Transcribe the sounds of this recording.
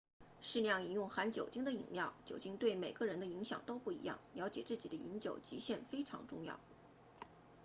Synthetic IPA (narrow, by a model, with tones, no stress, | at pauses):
ʂɻ̩˥˧ljɑ˥˩ŋi˧˥njʊ˥˩ŋxa˧˥nt͡ɕjo˨˩ʊt͡ɕi˥ŋd̪ə˨ḭ˨˩ŋljɑ˥˩ʊt͡ɕjo˨˩ʊt͡ɕi˥ŋt̪we˥˩ɪme˨˩ɪɡə˦˧ɻə˧˥nd̪ə˧i˧˥ŋɕjɑ̰˨˩ŋt̪o˥ʊpu˥˩ḭ˧˥jɑ̰˥˩ŋljɑ˧˥ʊt͡ɕjɛ̰˨˩t͡sɹ̩˥˩t͡ɕi˨˩d̪ə˦ḭ˧˥nt͡ɕjo˨˩ʊt͡ɕi˧˥ɕjɛ˥˩nfe˥ɪʈ͡ʂʰɑ̰˧˥ŋʈ͡ʂʊ˥˧ŋjɑ̰˥˩ʊ